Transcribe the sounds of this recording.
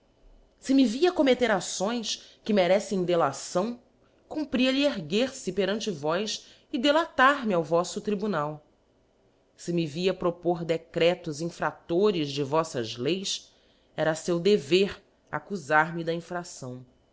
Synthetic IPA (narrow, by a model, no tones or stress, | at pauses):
sɪmɪviɐkomet̪eɾasõj̃skɪmeɾɛsẽj̃d̪elasɐ̃w̃ | kũpɾiɐʎɪeɾɡeɾsɪpeɾɐ̃nt͡ʃɪvɔjs | ɪd̪elat̪aɾmɪawvɔsʊt̪ɾibunaw | sɪmɪviɐpɾopoɾd̪ekɾɛt̪ʊzĩfɾat̪oɾɪzd͡ʒɪvɔsɐzlejs | ɛɾɐsewd̪eveɾ | a̰kuzaɾmɪd̪ɐĩfɾasɐ̃w̃